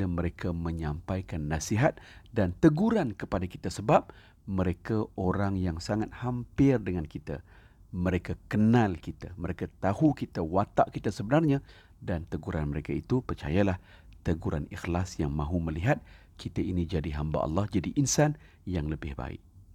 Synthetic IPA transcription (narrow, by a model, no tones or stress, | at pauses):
ləməɾekʰamə̃ɲãmpajkanːasiɦat̪̚dant̪əɡuɾankəpadakit̪asəbap̚ | məɾekaʔoɾaŋjaŋsaŋat̪̚hampɪrdəŋankit̪a̰ | məɾekakənalkit̪a̰məɾekat̪ahukit̪awat̪a̰ʔkit̪asəbənarɲã | dant̪əɡuɾanməɾekait̪upərt͡ʃa̰jalah | t̪əɡuɾa̰nixlasjaŋmãɦuməliɦat̪̚ | kit̪ainid͡ʒadiɦamba̰ʔɑ̰lːɑhd͡ʒadiʔinsan | jaŋləbɪhba̰ɪ̰ʔ̚